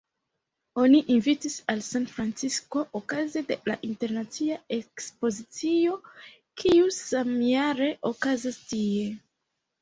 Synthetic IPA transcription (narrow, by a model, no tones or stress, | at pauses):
o̞niʔinvitisalsanfɾant͡sisko̞ʔokazede̞la̰ʔinte̞ɾnat͡siae̞kspo̞zit͡sio̞ | kʰiusamjaɾe̞ʔo̞kazastie̞